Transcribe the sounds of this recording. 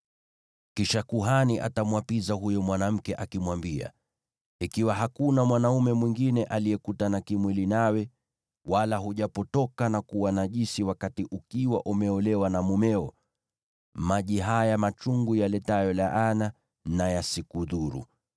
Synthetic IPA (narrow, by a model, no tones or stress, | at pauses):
kiʃakuɦaniʔa̰tamwapizaɦujɔmwanam̩kɛʔakimwambia̰ | ikiwaɦakunamwanaumɛmwiŋɡinɛʔalijɛkutanakimwilinawɛ | walaɦuʄapɔtɔkanakuwanaʄisiwakatiʔukiwa̰ʔumɛɔlɛwanamumɛɔ | maʄiɦajamat͡ʃuŋɡujalɛtajɔlaʔana | najasikuðuɾṵ